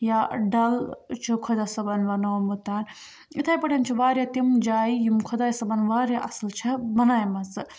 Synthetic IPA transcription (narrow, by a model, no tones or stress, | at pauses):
jaɖɐlt͡ʃʰikʰod̪ɐsɐbɐnʋɐnoːmut̪aːn | it̪ʰaːjpɐʈɐnt͡ʃʰiʋaːɾʲjat̪imd͡ʒaːijimkʰod̪aːjsɐbɐnʋaːɾjaʔɐslt͡ʃʰɐbɐnaːjmɐsɨ